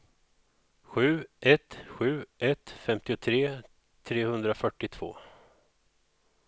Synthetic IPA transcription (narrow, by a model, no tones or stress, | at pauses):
ɧʉ̟ːʔɛt̪ɧʉ̟ːʔɛt̪fɛmt̪ɪʊt̪ʰɾeː | t̪ʰɾeːhɵnd̪ɾafœʈːɪt̪ʰv̥o̰ː